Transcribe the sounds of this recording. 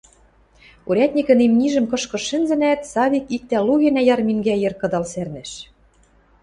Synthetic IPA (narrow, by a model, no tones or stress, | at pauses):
uɾʲæt̪ʲnʲikɘ̆nemnʲiʒɘ̆mkɤ̆ʃkɤ̆ɘ̆nzɘ̆næt̪sɑβʲikik̚t̪æluɣĕnæjɑrmiŋɡæjɘ̆rkɤ̆d̪ɑlsærnɘ̆ʃ